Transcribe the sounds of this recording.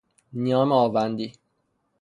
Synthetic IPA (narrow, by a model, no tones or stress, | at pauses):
nijɒːmeɒːvænd̪i